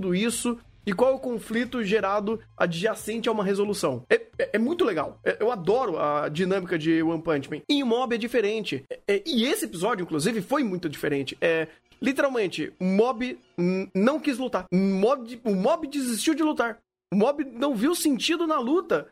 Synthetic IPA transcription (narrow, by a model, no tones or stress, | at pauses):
d̪ʊisʊ | ɪkwawɛʊkõflit̪ʊʒeɾad̪ʊa̰d͡ʒɪʒasẽnt͡ʃɪaũmɐɦezolusɐ̃w̃ɛɛʔɛmũj̃t̪ʊleɡa̰wɛʔewad̪ɔɾʊɐd͡ʒinɐ̃mikɐd͡ʒɪwɐ̃pɐ̃nt͡ʃmẽẽũmɔbɪɛd͡ʒifeɾẽnt͡ʃɪɛɛɪesɪepizɔd͡ʒʊĩkluzivɪfojmũj̃t̪ʊd͡ʒifeɾẽnt͡ʃɪ̥ʔɛ | lit̪eɾawmẽnt͡ʃɪʊmɔbɪ | nɐ̃w̃kizlut̪aɾmɔbɪʊmɔbɪd͡ʒɪzist͡ʃiwd͡ʒɪlut̪aɾ | ʊmɔbɪnɐ̃w̃viwsẽnt͡ʃid̪ʊnɐlut̪ɐ